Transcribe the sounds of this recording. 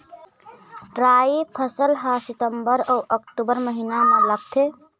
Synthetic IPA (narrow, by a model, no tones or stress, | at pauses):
ɾaːipʰəsəlɦasit̪əmbəɾəwʔəkʈubəɾməɦinamelək̚t̪ʰe